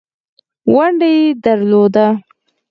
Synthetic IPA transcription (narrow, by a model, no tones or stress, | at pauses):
waɳɖajed̪aɾlod̪a